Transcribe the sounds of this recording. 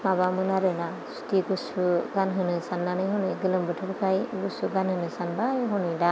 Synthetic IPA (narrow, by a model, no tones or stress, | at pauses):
mabamɯnaɾɯna | su̥tiɡusuɡanɦɯnɯsanːanɯjɦɔnɯjɡɯlɯmbɯtʰɯbɯkʰajɡusuɡanhɯnɯsanbajɦɔnɯjda